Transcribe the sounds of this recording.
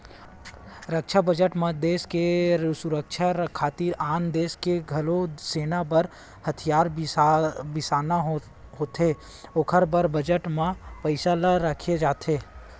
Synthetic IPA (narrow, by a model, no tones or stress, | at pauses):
ɾəkʃʰabəd͡ʒəʈmẽd̪eːskesʊɾəkʃʰaɾkʰaːt̪iɾaːnd̪eːskeɡʱɐloseːnabɐɾ | hɐt̪ʰijaːɾ | bɪsaːnaɦ | ɦoːt̪eː | ʊkʰəɾbəɾbəd͡ʒəʈmãpɐɪsalaɾəkʰed͡ʒaːt̪ʰeː